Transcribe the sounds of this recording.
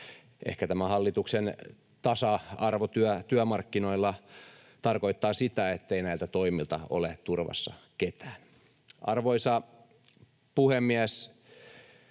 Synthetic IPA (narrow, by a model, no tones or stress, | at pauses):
ʔḛhkæt̪æmæhɑlːit̪uksen | t̪ɑsɑɑrʋot̪yœt̪yœmɑrkːino̞ilːɑ | t̪ɑrko̞it̪ːɑːsit̪æet̪ːeinæilt̪æt̪oimilt̪ɑo̰let̪urʋɑ̰sːɑ̰ket̪æːn | ʔɑ̰rʋoisɑ | puhemːiæs